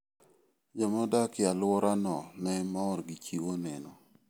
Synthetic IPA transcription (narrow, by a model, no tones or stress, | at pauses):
d͡ʒamɔdakɪalwɔɾanɔmɛmɔɾɡit͡ʃioneno